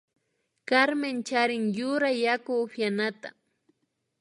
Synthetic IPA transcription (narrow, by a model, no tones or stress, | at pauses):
kaɾment͡ʃaɾɪŋjʊɾajːakʊpjanat̪a̰